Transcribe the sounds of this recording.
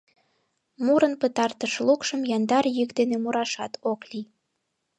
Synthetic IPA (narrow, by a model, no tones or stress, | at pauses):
muɾənpət̪ɑrt̪əʃlukʃəmjɑnd̪ɑrjykd̪enemuɾɑʃɑt̪ʰokli